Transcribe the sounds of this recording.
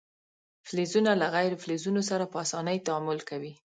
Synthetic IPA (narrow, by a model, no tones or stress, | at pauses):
flezunalaɣajɾoflezunosaɾapəasɑnəjt̪aamʊlkawi